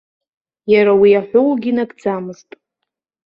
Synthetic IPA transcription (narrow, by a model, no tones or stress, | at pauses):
jaɾawiaħʷʊwɡʲinaɡʼd͡zamɨztʼ